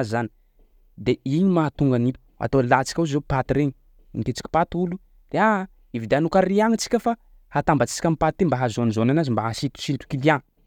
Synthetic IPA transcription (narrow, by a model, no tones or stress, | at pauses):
zani̥ | d̪eiɲimat̪uŋɡanilu̥a̰t̪olat͡si̥kʲauzopat̪iɾeɲi | ḭŋket͡si̥kʲi̥pat̪ulu | d̪̥ea | ivid̪eanukaɾiaŋit͡si̥kʲəfa | hat̪ambat͡si̥si̥kʲamipat̪ːimbaɦazonizonanazimbaɦasit̪u̥ʃint̪u̥kiliaŋ